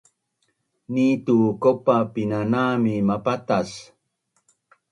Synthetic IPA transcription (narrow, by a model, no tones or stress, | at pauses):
nitukopapinanamimapatas